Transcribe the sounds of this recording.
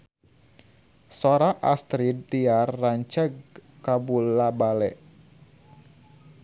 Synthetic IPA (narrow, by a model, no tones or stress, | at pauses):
sɔɾaʔast̪ɾid̪diarːaɲt͡ʃəɡ̚kabulabalɛ̰ʔ